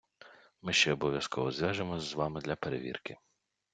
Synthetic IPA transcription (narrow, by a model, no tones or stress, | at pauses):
mɪʃt͡ʃɛɔbɔʋʲjɐskɔʋɔzʲʋʲjaʒemɔzʋɑmɪd̪lʲɐpeɾḛʋʲḭrkɪ